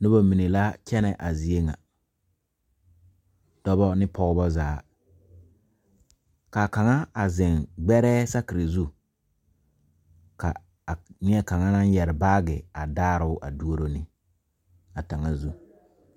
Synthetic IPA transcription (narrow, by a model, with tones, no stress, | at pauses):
nʊ˦bɔ˦mi˨ne˨la˦kɛ˦nɛ˨ʔa˨zi˨e˦ŋa̰˨ | d̥ɔ˦bɔ˦nɪ˦pʰɔ˦ɣbɔ˦zaː˨˦ | ka˨ka˨ŋa˦a˨zɪ˨ŋɡ͡bɛ˦ɾɛː˦sa˦kɪ˨ɾi˨zu˦ | ka̰˨ | nɪ˦ɛ˦ka˨ŋa˦na˦n˦jɛ˨ɾɪ˨baː˦ɡɪ˨a˨daː˦ɾɪ˨ʊ˦ʔa̰˨du˦o˦ɾo˦nɪ˦ | a˨ta˨ŋa˦zu˦